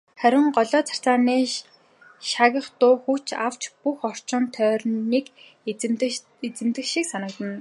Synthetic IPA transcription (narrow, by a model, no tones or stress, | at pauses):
χæɾʲɪ̆ŋɢɔɮɔːt͡sʰḁt͡saːniː | ʃaɣʲə̆χt̪ʊːxut͡ɕa̰w̥t͡ɕpuxɔr̥t͡ɕɪ̆nt̪ʰœːrniːk | et͡sɘ̆mt̪ɘ̆xʃiksanə̆k̚t̪ə̆n